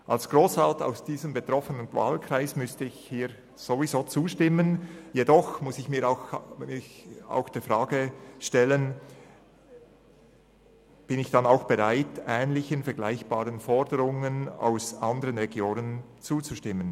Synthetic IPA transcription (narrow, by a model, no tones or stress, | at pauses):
ʔalsɡ̥ʁoːsvalta̰ʊsd̥iːzəmbetʁ̥ɔfənənva̰ːlkʁ̥aɪsmʏstəɪçhiːɾ | z̥ovizoːt͡suːʃtɪmənjedɔxmʊsɪçmiːɾaʊxmɪça̰ʊxd̥eːfʁaːɡəʃtɛlən | b̥ɪnɪçd̥anaʊxb̥eʁaɪtɛːnlɪçənfɛɐɡ̥laɪçb̥aːʁənfɔɾdəɾʊŋəna̰ʊsʔandəʁənʁɛɡjoːnən | t͡suːt͡suʃtɪmən